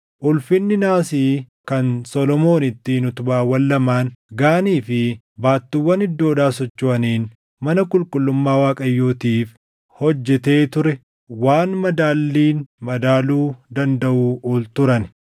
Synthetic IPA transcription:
ʔʊlfɪnːɪnaːsiː | kɐnsɔlɔmo̞ːnɪt̪ːinʊt̪ʊbaːwːɐlːɐmaːnɡaːniːfɪ | baːt̪ːɪwːɐnɪd̪ːoːᶑaːs̬ɔt͡ʃːʊɐniːn | mɐnɐkʼʊlkʼʊlːʊmːaːwaːkʼɐjːoːt̪iːf | hɔd͡ʒːɛt̪e̞ːt̪ʊɾɛ | waːnmɐd̪aːlːiːnmɐd̪aːluːd̪ɐnd̪ɐʔuːʔuːlt̪ʊɾɐnɪ

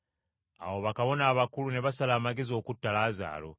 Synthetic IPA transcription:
a̰wo̞βakaβo̞naːβakulune̞βasalaːmaɡe̞zo̞ːkutːalaːza̰ːlo̞̰

